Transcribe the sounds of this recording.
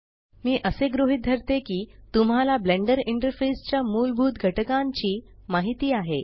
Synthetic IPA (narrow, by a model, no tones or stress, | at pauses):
miːʔəseɡɾoɦit̪̚d̪ʱəɾt̪ekiːt̪umɦalableɳɖəɾiɳʈəɾfest͡ɕjamuːlbʱuːt̪ɡʱəʈəkãɲt͡ɕiː | maɦit̪iːaɦe